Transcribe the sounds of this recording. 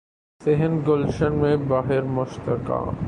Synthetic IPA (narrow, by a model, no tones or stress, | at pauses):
sɪɦənɡʊlʃənmẽbaːɦɪɾmʊʃt̪əka̰ː